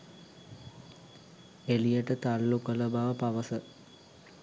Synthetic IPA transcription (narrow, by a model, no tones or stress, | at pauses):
elijəʈət̪alːukələbaʋəpaʋəsə